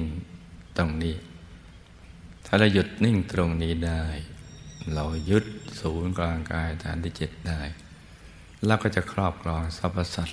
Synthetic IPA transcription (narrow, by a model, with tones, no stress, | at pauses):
ŋt̪o˧ŋniː˦˥˩ | t̪ʰaː˧˩la˧˩wju˨˩t̪̚ni˥˩ŋt̪ɾo˧ŋniː˦˥˩daː˥˩jla˧˩wju˦˥t̪̚suː˩˦nklaː˧ŋkaː˧jt̪ʰa̰ː˨˦nt̪ʰiː˧˥˩t͡ɕe˨˩t̪̚daː˥˩j | lɛː˦˥wkɔː˥˩t͡ɕa˨˩kʰɾɔː˥˩p̚kʰlɔː˧ŋsa˧˥pːa˧sa˨˩t̪̚